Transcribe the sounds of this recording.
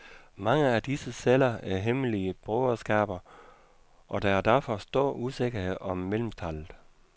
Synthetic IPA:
mɑ̈ŋəæd̥isəselɐæɐɦeməliəb̥ʁɔʊɐsɡ̥æ̰ːb̥ɐ | ʔɒ̽d̥ɑæɐd̥æɐfɒsd̥o̝ɐ̰ʔuse̝ɡ̥ɐhe̝ð̰ˠɒ̽mːel̰m̩t͡sʰæl̰ð̩ˠ

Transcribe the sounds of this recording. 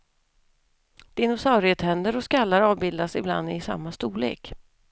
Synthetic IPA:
d̪̥ɪnʊsawɾɪheːt̪hɛnd̪əɾɔskalːaɾɑːvbɪld̪asɪbla̰nd̪ɪsa̰mːast̪uːlḛːk

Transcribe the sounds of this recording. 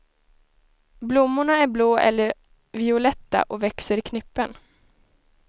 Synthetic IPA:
blʊmːʊɳaæɾbloːʔɛ̰lːəɾ | vɪʊlɛt̪ːa̰ʔɔvɛksəɾɪkʰnɪpːən

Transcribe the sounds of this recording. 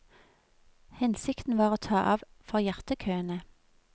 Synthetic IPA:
hɛnsɪkt̪n̩ʋɑːʁoːt̪ʰɑːʔɑːʋfɔʁjæʁt̪əkʰøːənə

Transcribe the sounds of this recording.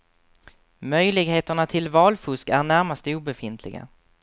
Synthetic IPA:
mœjlɪɡheːt̪əɳat̪ʰɪlvɑːlfɵskæɳæɾmast̪əuːbɛfɪnt̪ʰlɪ̰ɡa̰

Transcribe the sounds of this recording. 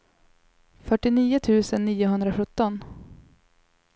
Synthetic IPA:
fœʈːɪniːʊt̪ʰʉ̟ːsənːiːʊɦɵnd̪ɾaɧɵt̪ːɔn

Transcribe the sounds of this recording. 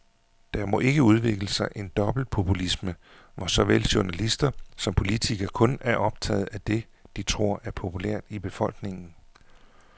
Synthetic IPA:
d̥ɑ̈mɔ̽ʔe̝ɡ̥əuð̞ˠʋe̝ɡ̥ləsɑ̈ɪʔe̝nd̥ɒ̽b̥l̩d̥̚pʰo̝pʰulismə | ʋɒsɒ̽ʋel̰ɕoɐnælisd̥ɐsɒ̽mpʰo̝lit͡sʰiɡ̥ɐkʰɔ̽næɐʔɒ̽b̥t͡sʰɛ̰ːð̞̩ˠæd̥e̝ | d̥it͡sʰʁo̝ɐ̰ʔæɐpʰo̝pʰulæ̰ɐ̰d̥ib̥e̝fɒ̽l̰ɡ̥ne̝ŋn̩

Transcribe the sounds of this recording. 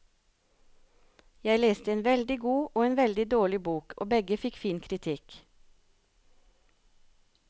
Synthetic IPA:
jæɪleːst̪əeːnʋɛld̪ɪɡuːʔoːeːnʋɛld̪ɪd̪oːɭɪbuːkʰo̰ːbɛɡəfɪkfiːnkʰɾɪt̪ʰɪk

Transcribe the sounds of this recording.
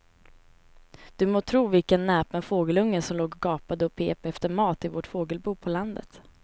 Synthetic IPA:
d̪̥ɵmoːt̪ʰɾuːvɪlkənːɛːpənfoːɡəlɵŋːənsɔmloːɡɡɑːpad̪əɔpʰeːpɛft̪əɾmɑːt̪ɪvoʈfoːɡəlbuːpʰɔland̪ə̰t̪

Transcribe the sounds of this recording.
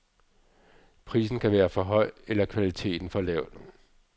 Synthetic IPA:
pʰʁḭːsn̩kʰæʋæːɐfɒ̽ɦɒ̽ɪ̰elɐkʰʋælit͡sʰe̝̰ːd̥n̩fɒ̽lɛʊ̰d̥

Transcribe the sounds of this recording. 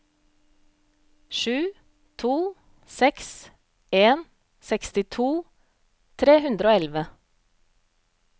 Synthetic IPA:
ʃʉː | t̪ʰuː | sɛks | eːn | sɛkst̪ɪt̪ʰuː | t̪ʰɾeːhʉnd̪ɾoːɛlʋə

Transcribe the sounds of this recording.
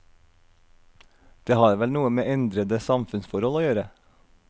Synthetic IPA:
d̪̥eːhɑːɾʋɛlnuːəmeːʔɛnd̪ɾəd̪əsɑmfʉnsfɔɾhɔloːjøːɾə

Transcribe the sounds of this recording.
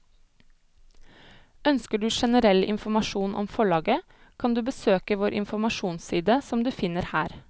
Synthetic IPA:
œnskəɖʉːʃɛnəɾɛlɪ̰nfɔmɑʃuːnʔɔ̰mfɔɭɑːɡə | kʰɑnd̪ʉːbəsøːkəʋoːɾʔɪ̰nfɔmɑʃuːnsiːd̪əsɔmd̪ʉːfɪnəɾhæːɾ

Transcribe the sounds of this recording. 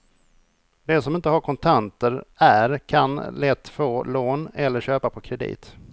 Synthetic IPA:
d̪ɛsɔmɪnt̪əɦaɾkʰɔnt̪ʰant̪əɾæɾkʰanlɛt̪ːfoːloːnɛlːəɾɕøːpapʰɔkʰɾɛd̪ḭːt̪

